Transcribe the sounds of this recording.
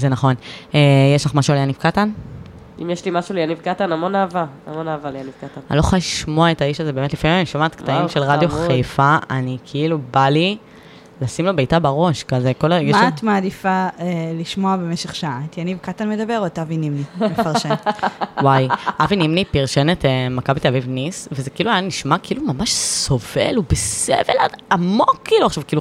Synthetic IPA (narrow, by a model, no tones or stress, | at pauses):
zenaχo̞nejeʃlaχmaʃualjanivkatan | ʔimjɛʃlimaʃulejanivkat̪anamonaːvaa̰monaːvalejaniv̥katana̰nloχaʃmoaetaiʃaze̞beːmetlifamimaniʃmat̪ktaimʃelʁadjoχχejfaanikʰiilubali | lasimlobejtabaʁo̞ʃkazeko̞laeɡmaat̪maːd̪ifaeliʃmoabemeʃeχʃaat̪janivkat̪anmed̪abeʁot̪avinimnimefaʁʃewajʔavinimnipiʁʃenetemakabit̪eavivnisvezekiiluajaniʃmakiilumamaʃso̞vḛlubesḛvḛlaamokʰːiːluaχʃavkiilu